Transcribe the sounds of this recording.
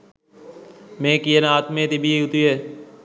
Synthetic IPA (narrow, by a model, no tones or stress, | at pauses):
mẽːkienaːt̪mẽːt̪ibʱiːɦʊt̪iːeː